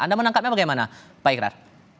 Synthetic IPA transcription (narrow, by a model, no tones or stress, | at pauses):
ʔa̰ndamənãŋkat̪̚ɲabaɡajmana | paikɾa̰r